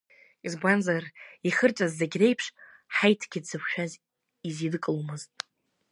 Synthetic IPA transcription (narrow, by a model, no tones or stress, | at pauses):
izbʷanzariχərt͡ʃʷʼazːaɡʲre̞jpʰʂħajtʰɡ̥ʲɪdz̥ɨpʰʷʃᶣaz | izidkʼlumɨztʼ